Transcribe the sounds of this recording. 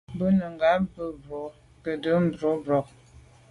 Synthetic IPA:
bə˦nə˨ŋɡa˨˦bə˦bɾo˨˦ | kə˨də˨˦m̩˦˨bɾo˨˦bɾɔ˨k

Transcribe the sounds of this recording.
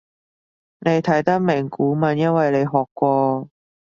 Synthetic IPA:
ne˨˧jt̪ʰɐ˨˥jt̪ɐ˥k̚mɪ˨˩ŋkuː˨˥mɐ˨˧˥njɐ˥nwɐ˨jle˨˧jɦɔː˨kːʷɔː˧

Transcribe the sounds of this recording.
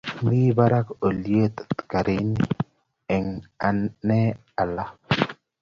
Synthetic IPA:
bi˦ba˦ɾa˦ko˨lje˦t̪t̪ka˨ɾi˦ni | ɛ˨ŋa˨nːɛ˦ | a˨la˦

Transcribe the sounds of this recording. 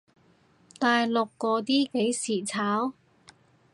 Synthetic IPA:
t̪aː˨jlʊ˨kːɔː˧t̪iː˥ke˨˥jsiː˨˩t͡sʰaː˨˥w

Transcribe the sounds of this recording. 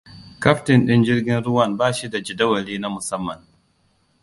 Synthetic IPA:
ka˦ɸtɪ˨nɗɪ˦nd͡ʒɪ˦ɾɡʲɪ˦nɾʊ˦wɐ˦˨nbaː˦ʃi˦da˨d͡ʒi˨da˦wɐ˨liː˦na˦mʊ˨sɐ˦mːɐ˨n

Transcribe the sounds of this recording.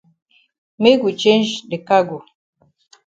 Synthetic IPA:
me˦ɡu˨t͡ʃe˦nd͡ʒde˨ka˦ɡu˨

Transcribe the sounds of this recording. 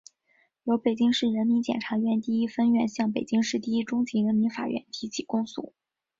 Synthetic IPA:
jo˧˥ʊpe˨˩ɪt͡ɕi˥ŋʂɻ̩˥˩ɻə˧˥nmi˧˥nt͡ɕjɛ˨˩nʈ͡ʂʰa˧˥ɥɛ˥˧nt̪i˥˩i˥fə˥nɥɛ˥˧nɕjɑ˥˩ŋp̬e˨˩ɪt͡ɕi˥ŋʂɻ̩˥˧t̪i˥˩i˥ʈ͡ʂʊ˥ŋt͡ɕi˧˥ɻə˧˥nmi˧˥nfa̰˨˩ɥɛ̰˥˩nt̪ʰi˧˥t͡ɕʰi˨˩kʊ˥ŋsṵ˥˩

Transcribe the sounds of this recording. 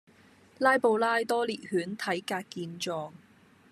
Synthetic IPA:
laː˥jpo˨wlaː˥jt̪ɔː˥liː˨t̚hyː˨˥nt̪ʰɐ˨˥jkaː˧kkːiː˧nt͡ʃɔː˧ŋ

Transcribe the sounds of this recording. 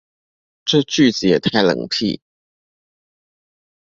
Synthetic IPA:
ʈ͡ʂɤ˥˧t͡ɕy˥˩t͡sɹ̩˨jɛ˨˩t̪ʰa˥˩ɪlə̰˨˩ŋpʰḭ˥˩

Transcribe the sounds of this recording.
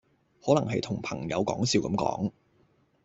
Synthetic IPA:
hɔː˨˥lɐ˨˩ŋɦɐ˨jt̪ʰʊ˨˩ŋpʰɐ̰˨˩ŋjɐ̰˨˧wkɔ̰ː˨˥ŋsiː˧wkɐ̰˨˧˥mkɔ̰ː˨˥ŋ

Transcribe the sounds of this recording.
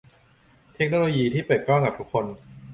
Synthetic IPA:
t̪ʰe˦˥k̚noː˧loː˧jiː˧t̪ʰiː˥˩pɤː˨˩t̪̚kɔː˥˩ŋkaː˨˩t̪u˦˥kʰːo˧n

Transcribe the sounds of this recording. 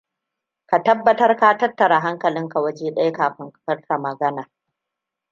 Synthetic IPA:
ka˨tɐ˦bːɐ˨tɐ˦rka˦tɐ˦tːɐ˨ɽa˨ɦa˦ŋkɐ˨lɪ˦ŋka˨wɐ˦d͡ʒeː˦ɗɐ˦jkaː˨ɸɪ˦ŋkɸɐ˦ɽka˨mɐ˨ɡɐ˦naː˨

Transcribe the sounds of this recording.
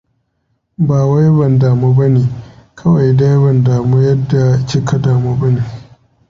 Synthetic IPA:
baː˨wa˦jbɐ˨ndaː˨muː˦bɐ˦neː˨kʰɐ˦wa˨jda˦jbɐ˨ndaː˨mo˦jɐ˦dːa˨t͡ʃi˦kʰa˦daː˨mo˦bɐ˦neː˨

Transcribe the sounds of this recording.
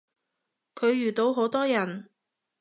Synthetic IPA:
kʰɵ˨˧ɥjyː˨˩t̪o˨˧wɦo˨˥wt̪ɔː˥jɐ˨˩n

